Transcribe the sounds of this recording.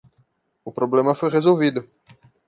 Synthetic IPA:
ʊpɾoblẽmɐfojʁezowvid̪ʊ

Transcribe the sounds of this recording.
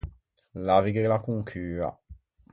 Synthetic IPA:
laviɡelakuŋkʰyːa̰

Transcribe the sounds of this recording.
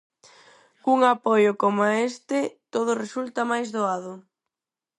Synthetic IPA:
kuŋapojʊkomaest̪ɪt̪oð̞ʊresult̪amajzðoaðʊ

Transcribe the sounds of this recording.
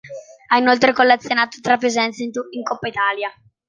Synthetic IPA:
ainolt̪̬ɾekolːet̪sːjonaːt̪o̥t̪ɾapːezɛnt̪sint̪uiŋkopːait̪aːlja

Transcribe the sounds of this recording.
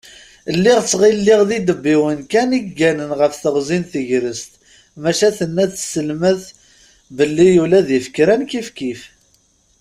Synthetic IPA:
əlːiʁt͡sːʁilːiʁðid̪əbːiwənkæniɡænənʁəfθəʁzinθəʝɾəst̪ | mæʃæθənːæθsəlməθ | bəlːijulæðifəkɾænkifkif

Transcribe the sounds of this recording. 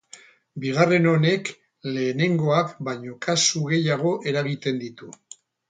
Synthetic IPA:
biɣ̞are̞no̞ne̞k | le̞ːne̞ŋɡo̞akbaɲo̞kʰasuɣe̞jaɣ̞o̞ʔe̞ɾaβ̞it̪e̞nd̪it̪u

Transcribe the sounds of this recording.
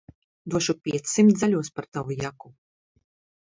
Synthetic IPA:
d̪uɔʃupʲiɛt̪sʲsimt̪alʲuɔspaɾt̪avujaku

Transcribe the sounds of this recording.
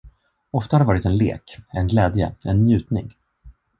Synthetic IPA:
ɔft̪ahad̪ɛvɑːɾɪt̪ɛnlḛːkɛnɡlɛːd̪jə̰ɛnːjʉ̟ːt̪nɪ̰ŋ

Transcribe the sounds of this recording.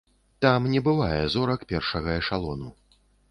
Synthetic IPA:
t̪amnʲɛbɨvajɛzɔɾɐkpʲɛrʂɐɣɐɛʂalˠɔnu

